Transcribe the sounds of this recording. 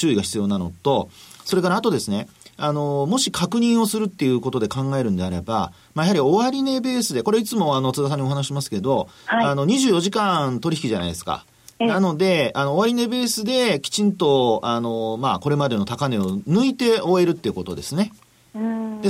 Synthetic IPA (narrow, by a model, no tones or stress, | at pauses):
t͡ɕɨːiɡaçi̥t͡sɨjo̞ːnano̞̰t̪o̞so̞ɾe̞kaɾaːt̪o̞d̪e̞sɨne̞ano̞mo̞ɕikakɯ̟ɲ̟ĩɰ̃o̞sɨɾɯ̟t̪ːe̞jɯ̟ːko̞t̪o̞d̪e̞kãŋɡae̞ɾɯ̟̃nd̪e̞aɾe̞̰ba̰ | majahaɾʲio̞βaɾʲine̞be̞ːsɨd̪e̞ko̞ɾe̞it͡sɨmo̞anot͡sɨd̪as̬ãɲ̟ːioɦanaɕiɕimasɨ̥ked̪o̞aano̞ɲ̟iʑɨːjo̞ʑikãnt̪o̞ɾʲiçikʲiʑana̰id̪̞sɨ̥ka̰ | nano̞d̪e̞anoːβaɾʲine̞be̞ːsɨd̪e̞kʲi̥t͡ɕĩnt̪o̞ano̞mako̞ɾe̞mad̪e̞no̞t̪akane̞onɯ̟it̪e̞o̞e̞ɾɯ̟t̪ːe̞iɯ̟ko̞t̪o̞̰d̪e̞sɨne̞ | d̪e